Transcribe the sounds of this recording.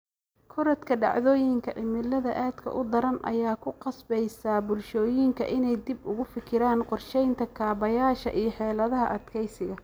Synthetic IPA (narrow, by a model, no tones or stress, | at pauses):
kʰɔɾɐt̪kʰɐɖɑ̰ʕðɔːjɪŋkʰɐʔɪmɪlːɐðɐʔaːd̪kʰɐ̰ʔʊd̪ɐɾɐnʔɐ̰jaːkʰʊqɑsbɛjsɐbʊlʃɔːjɪŋkʰɐ̰ʔɪnɛjd̪ibʊɣʊfɪkʰɪɾaːnqʊrʃɛjnt̪ʰɐkʰaːβɐjaːʃɐ̰ʔijɞħɛːlɐðɐɦɐʔɐd̪kʰɛjsɪɣɐ